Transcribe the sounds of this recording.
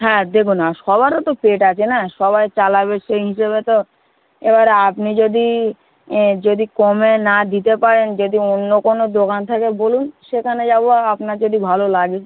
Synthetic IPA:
ɦɛ̃d̪ekʰunaʃɔβaɾt̪ot̪opeʈat͡ɕʰenaʃɔβajt͡ɕalaβeʃejɦiʃeβet̪o | ebaɾapnid͡ʑod̪i | d͡ʑod̪ikomenad̪it̪epaɾend͡ʑod̪ionːokonod̪okant̪ʰakebolunʃekʰaned͡ʑaboapnaɾd͡ʑod̪ibʱalolaɡi

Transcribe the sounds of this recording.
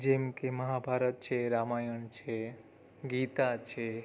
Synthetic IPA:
d͡ʒemkeməɦabʱaɾət̪̚t͡ʃʰeɾamajəɳt͡ʃʰe | ɡit̪at͡ʃʰe

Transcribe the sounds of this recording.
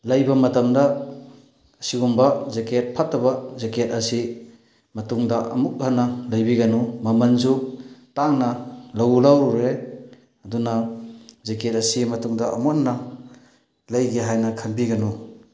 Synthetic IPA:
lɐjbamɐtɐmdaː | siɡumbazeket̚pʰat̚ːaβazeketɐsi | mɐtuŋdaʔɐ̰muk̚hanɐlajbiɡanumɐmanzuk̚taŋnalawlawɾe | ɐdunazeket̚ɐsimɐtuŋdaʔɐmɔnːa | lajɡiɦajnakʰanbiɡanu

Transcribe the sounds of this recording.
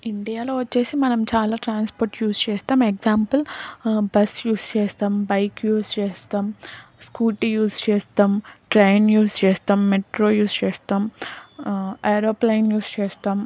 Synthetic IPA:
iɳɖijaːloːʋɐt͡ʃːe̞ːsimɐnɐmt͡ʃaːlaːʈɾaːnspoːɾʈjuːst͡ʃɛːst̪aːmekzaːmpɐlbɐsjuːst͡ʃɛːst̪aːmbɐjkjuːst͡ʃɛːst̪aːmskuːʈijuːst͡ʃɛːst̪aːmʈɾejnjuːst͡ʃɛːst̪aːmːeʈɾoːjuːst͡ʃɛːst̪aːm | ɐjɾoːplɐjnjuːst͡ʃɛːst̪aːm

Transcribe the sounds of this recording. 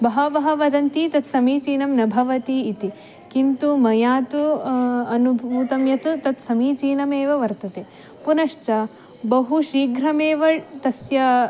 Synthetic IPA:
bɐɦɐʋɐɦɐʋɐd̪ɐnt̪it̪ɐt̪sɐmiːt͡ʃiːnɐmnɐbʱɐʋɐt̪iːt̪i | kint̪umɐjaːt̪uɐnubʱuːt̪ɐmjɐt̪ut̪ɐt̪sɐmiːt͡ʃiːnɐmeːʋɐʋɐɾt̪ɐt̪eː | punɐʂt͡ʃɐ | bɐɦuʃiːɡɾɐmeːʋɐt̪ɐsjɐ

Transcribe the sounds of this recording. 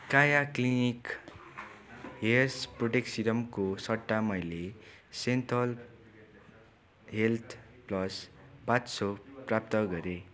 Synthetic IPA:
kajaklinik | ɦesproʈeksiɾʌmkosʌʈːamʌjle | sent̪ʌl | ɦelt̪ʰ | plʌspatsoprap̚t̪ʌɡʌɾe

